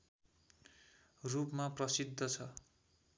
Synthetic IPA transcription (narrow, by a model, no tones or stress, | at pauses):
rupmaprʌsid̪ʱːʌt͡sʰʌ